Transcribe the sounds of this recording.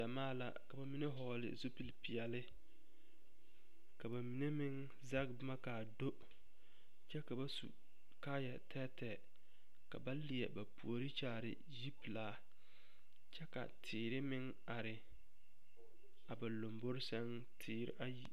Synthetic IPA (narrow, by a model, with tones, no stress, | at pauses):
da˨maː˦la̰˨ka˨ba˨mi˦ne˦ɦɔː˦lɪ̰˨zo˦pi˨lpi˨ɛ˨lɪ˦ | ka˨ba˨mi˨ne˦mɪ˦ŋ | za˦k̚bɪ˦ma˦kaː˨do˦ | t͡ʃɛ˦ka˨ba˦sṵ˨ | kaː˦jɛ̰˨tʰɛː˦tɛ˨ | ka̰˨ba˦li˨ɛ̰˨ba˨pṵ˨o˨ɾi˦t͡ʃaː˦˨ɾɪ̰˨ | ji˦pi˨laː˦ | t͡ʃɛ˦ka̰˨tʰɪː˨ɾɪ˦mɪ˦ŋ | a˨ɾɪ˨ | a˨ba˨lo˨mbo˦ɾɪ˦sɛ˦n | tʰɪː˦ɾɪ̰˦ʔa˦ji˦